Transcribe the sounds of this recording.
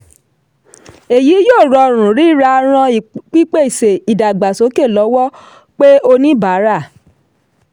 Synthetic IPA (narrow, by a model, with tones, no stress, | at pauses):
e˨ji˨˦joː˦˨ɾɔ˧ɾ̃ũ˨ɾi˨˦˨ɾa˧ɾ̃ã˧i˨k͡pi˦k͡pe˦i˨se˨i˨da˨ɡ͡ba˨so˨˦ke˦˨lɔ˨˦wɔ˦ | k͡pe˦o˧nĩ˦ba˨˦ɾa˦˨